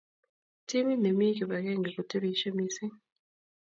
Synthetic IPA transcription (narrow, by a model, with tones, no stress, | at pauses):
ti˦mi˦ne˨miː˦ki˨βa˨ɣeː˦˨ŋɡe˨ku˨te˦ɾi˨˦ʃe˦mi˨si˦